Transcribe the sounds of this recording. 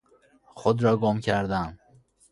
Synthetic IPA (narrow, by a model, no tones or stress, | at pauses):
xod̪ɾɒːɡomcʰæɾd̪æn